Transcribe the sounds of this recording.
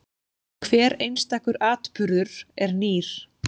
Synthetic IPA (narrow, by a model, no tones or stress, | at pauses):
kʰvɛːɾejnst̪aːhkʏɾaːt̪pʏɾðʏɾ̥ɛɾniːɾ̥